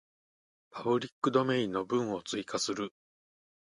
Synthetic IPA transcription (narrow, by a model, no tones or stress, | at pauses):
pʰabɯ̟ɾʲikːɯ̟d̪o̞mẽ̞ĩnːo̞bɯ̟̃ɰ̃o̞t͡sɨikʰasɨɾɯ̟